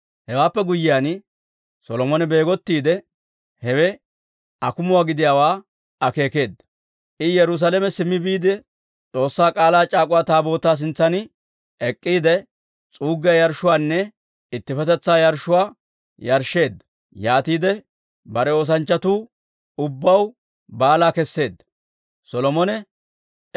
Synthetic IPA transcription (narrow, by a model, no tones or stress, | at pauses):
hɛwaːpːɛɡʊjːɪjaːn | sɔlɔmɔnɛbe̞ːɡɔt̪ːiːd̪ɛ | hɛwɛ | ɐkʊmʊwaːɡɪd̪ɪjaːwaː | ɐke̞ːke̞ːd̪ːɐ | ʔɪjɛɾʊs̬alɛmɛsɪmːɪbiːd̪ɛ | t͡sʼo̞ːsːaːkʼaːlaːt͡ʃʼaːkʼʊwaːt̪aːbo̞ːt̪ːaːs̬ɪnt͡sːɐnɪ | ɛkʼːiːd̪ɛ | t͡sʼuːɡɪjɐjɐɾʃʊwaːnːɛ | ɪt̪ːɪfɛt̪ɛt͡sːaːjɐɾʃʊwaː | jɐɾʃːe̞ːd̪ːɐ̥ | jaːt̪iːd̪ɛ | bɐɾɛo̞ːs̬ɐnt͡ʃːɐt̪uː | ʊbːɐw | baːlaːkɛsːe̞ːd̪ːɐ | sɔlɔmɔnɛ